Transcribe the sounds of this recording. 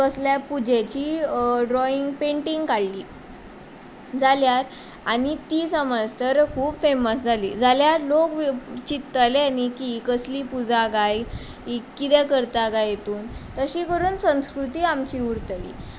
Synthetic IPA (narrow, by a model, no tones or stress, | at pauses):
kəsljapud͡ʑet͡ɕiːɖɾɔiŋɡpeɳʈiŋɡkaɽliː | d͡zaljaɾ | a̰ɽ̃it̪iːsəməd͡zt̪əɾkʰuːbfeməsd͡zʱalḭːd͡zaljaɾlokt͡ɕit̪ːəljanikikəsliːpud͡zaɡaj | ikːit̪ɛkəɾt̪aɡajet̪uːnt̪əɕiːkəɾuːnsə̃w̃skɾut̪iːamt͡ɕiːuɾt̪lḭː